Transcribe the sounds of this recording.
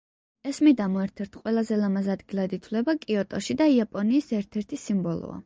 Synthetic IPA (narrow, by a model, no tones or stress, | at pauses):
ɛsmid̪amɔɛɾt̪ʰɛɾt̪ʰqʼwɛlˠazɛlamazad̪ɡilˠad̪it̪ʰwlɛbakʼiɔt̪ʼɔʃid̪aiapʼɔniːsɛɾt̪ʰɛɾt̪ʰisimbɔlˠɔ̰a̰